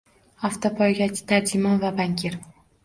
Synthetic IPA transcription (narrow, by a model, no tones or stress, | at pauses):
aft̪ʰopʰɒjɡʲat͡ʃʰt̪ʰaɾd͡ʒɪmɒnvabaŋkʲʰiɾ